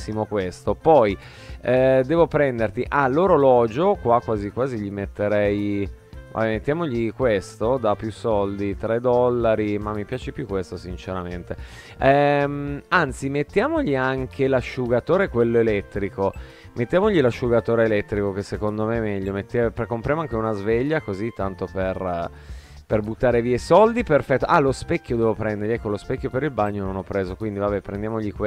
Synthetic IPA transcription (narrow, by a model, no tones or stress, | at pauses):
imokwest̪opɔj | ɛd̪ɛːvopɾɛnd̪ert̪iʔalːoːɾolɔːd͡ʒokwakwaːzikwaːziʎimet̪ːeɾɛj | va̰bɛmet̪ːjaːmoʎikwest̪od̪apːjusɔld̪it̪ɾɛd̪ɔlːaɾimamːipjaːt͡ʃepjukːwest̪osint͡ʃeɾament̪e | ɛmant̪simet̪ːjaːmoʎiaŋkʰelaʃuɡat̪oːɾekwelːoelɛt̪ːɾiko | met̪ːjaːmoʎilaʃːuɡat̪oːɾeːlɛt̪ːɾikok̟esːekond̪omemɛʎːomet̪ːapɾekːompɾjamoaŋk̟eunazveʎːakozit̪ːant̪oper | perbut̪ːaːɾeviːesɔld̪iperfɛt̪ːoʔalospɛkːjod̪ɛvopɾɛnd̪eɾrʎiɛkːolospɛkʲːjopeɾilbaɲːononɔpːɾeːzokwind̪ivabɛpɾend̪jamoʎikwe